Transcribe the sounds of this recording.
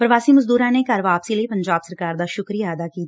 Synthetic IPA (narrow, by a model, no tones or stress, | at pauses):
pɾəʋaːsiːməzd̪uːɾãːneːkaːɾʋaːpsiːləiːpəɲd͡ʒaːbsəɾkaːɾd̪aːʃʊkɾijaːd̪aːkiːt̪ː